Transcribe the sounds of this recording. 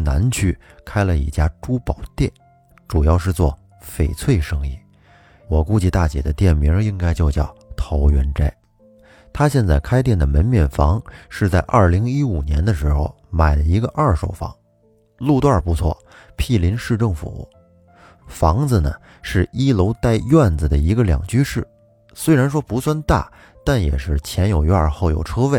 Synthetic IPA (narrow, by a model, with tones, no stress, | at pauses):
na˧˥nt͡ɕʰy˥˩kʰa˥ɪlə˨ḭ˥˩t͡ɕja˥ʈ͡ʂu˥pɑ˨˩ʊt̪jɛ˥˩n | ʈ͡ʂu˨˩jɑ˥˧ʊʂ̬ɻ̩˥˧t͡swɔ˥˩ | fe˨˩ɪt͡sʰwe˥˩ɪʂɤ˥ŋi˥˩ | wɔ˨˩ku˥t͡ɕi˧t̪a˥˩t͡ɕjɛ̰˨˩d̪ə˦t̪jɛ˥˩nmi˧˥i˥ŋka˥ɪt͡ɕjo˥˧ʊt͡ɕjɑ˥˩ʊt̪ʰo˧˥ʊɥɛ˧˥nʈ͡ʂa˥ɪ | t̪ʰa˥ɕjɛ˥˧nt͡sa˥˩ɪkʰa˥ɪt̪̬jɛ˥˩nd̪ə˩mə˧˥nmjɛ˥˩nfɑ˧˥ŋʂɻ̩˥˧t͡sa˥˧ɪʔɐ̰˞˥˩li˧˥ŋi˥u˨˩njɛ˧˥nd̪ə˧ʂɻ̩˧˥xo̰˥˧ʊma˨˩ɪlə˦i˧˥ɡə˧ʔɐ˞˥˧ʂo˨˩ʊfɑ̰˧˥ŋ | lu˥˧t̪wa˥˩pu˧˥t͡sʰwɔ̰˥˩ | pʰi˥˩li˧˥nʂɻ̩˥˧ʈ͡ʂɤ˥˩ŋfṵ˨˩˦ | fɑ˧˥ŋd͡z̩ə˧nə̰˩ | ʂɻ̩˥˩i˥lo˧˥ʊt̪a˥˧ɪjɥwa˥˩nd͡zə˩d̪ə˩i˧˥ɡə˧ljɑ̰˨˩ŋt͡ɕy˥ʂɻ̩˥˩ | swe˥ɪɻa˧˥nʂwɔ˥pu˧˥swa˥nt̪a̰˥˩ | t̪a˥˩njɛ̰˨˩ʂɻ̩˥˩t͡ɕʰjɛ˧˥njo˨˩ʊɥa˥˧xo˥˩ʊjo̰˨˩ʊʈ͡ʂʰɤ˥we˥˩ɪ